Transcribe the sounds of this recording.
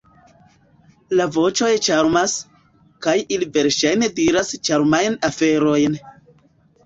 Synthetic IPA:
lavo̞t͡ʃo̞jt͡ʃaɾmas | kajilive̞ɾʃajne̞diɾast͡ʃaɾmajnafe̞ɾo̞jn

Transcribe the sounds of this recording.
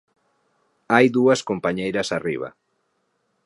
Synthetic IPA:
ajðuɐskompaɲejɾɐsarḭβ̞ɐ̰

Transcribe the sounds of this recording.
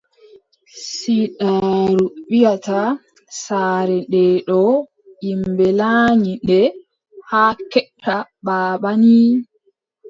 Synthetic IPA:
siɗaːɾuɓijata | saːɾɛɗɛɗɔ | ʔimbɛlaːɲiɗɛ | haːkɛtʰːaɓaːɓani

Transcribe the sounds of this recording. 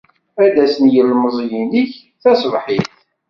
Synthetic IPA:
æd̪æsənjəlməzˤjiniç | θæsvħiθ

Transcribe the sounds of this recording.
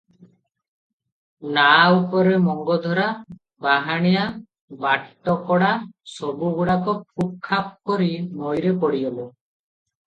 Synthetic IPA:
naupɔɾemɔŋɡɔd̪ʱɔɾa | baɦaɽ̃ija | baʈʈːɔkɔɽasɔbuɡuɽakɔpʰuk̚ʰːap̚kɔɾinojɾepɔɽiɔbɔ

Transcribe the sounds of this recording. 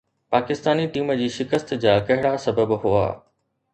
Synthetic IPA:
paːkɪst̪aːniʈiːməd͡ʑiːʃɪkəst̪d͡ʑaːkɐɦɪɽasɐbəbɦʊa̰ː

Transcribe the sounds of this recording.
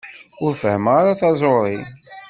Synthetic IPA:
ʊɾfəhəmʁaɾaθɑzˤoɾˤi

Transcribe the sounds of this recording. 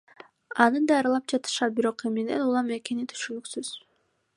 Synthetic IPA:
ɑnɯd̪ɑːɾɯlˠɑp̚d͡ʒɑt̪ɯ̥ʃɑt̪̚biɾo̞qemine̞̰nulˠɑme̞ke̞nit̪ʰy̥ʃynyksyz̥

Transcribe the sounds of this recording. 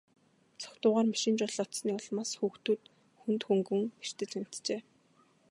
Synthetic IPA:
t͡sʰɔ̥kt̪ʊːʁaːrmaʃĭːnt͡ɕʊɮɔt̪sniːɔɮmaːsxuːxt̪uːt̪ | xunt̪xuŋɡɘ̆ŋper̥t̪ɘ̆t͡ɕam̥ʲt̪t͡ɕeː

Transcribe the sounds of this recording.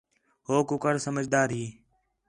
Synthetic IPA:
ɦoːkʊkəɾsəməd͡ʒd̪aːɾɦiː

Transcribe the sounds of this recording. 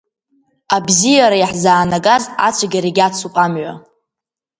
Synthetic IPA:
abzijaɾajħzaːnaɡʼaza̰t͡ʃʷʰaɡʲaɾeɡʲat͡sʰupʼamɥa̰

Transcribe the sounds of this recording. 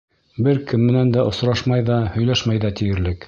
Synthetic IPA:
bɘɾkɘ̆mːɘ̆nænd̪æʔŏsɾɑʃmɑjðɑhɵ̆jlæʃmæjðæt̪ĭjɘ̆ɾlɘk

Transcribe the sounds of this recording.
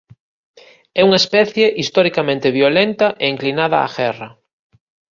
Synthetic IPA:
ɛuŋaespɛθjeʔist̪oɾikamẽnt̪eβjolent̪ɐʔeiŋklinaðɐa̰ɣɛrɐ

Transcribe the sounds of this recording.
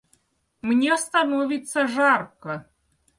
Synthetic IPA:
mnʲest̪ɐnovʲɪt̪səʐarkə

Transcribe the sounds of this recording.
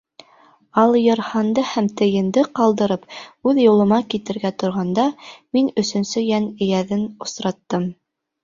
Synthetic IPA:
ɑlˠjɤ̆ɾhɑnd̪ɤhæmt̪ɘ̆jɘ̆nd̪ɘqɑlˠd̪ɤ̆ɾɤpʉðjŭlˠɤ̆mɑkit̪ɘ̆ɾɡæt̪ŏɾʁɑnd̪ɑminɵ̆sɵ̆nsɵjænɘ̆jæðɘnŏsɾɑt̪ːɤm

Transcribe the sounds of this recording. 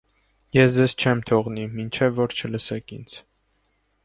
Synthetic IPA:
jɛsd͡zɛzt͡ʃʰɛmt̪ʰɔʁnimint͡ʃʰɛvːɔɾt͡ʃʰələsɛkʰḭnd͡zʰ

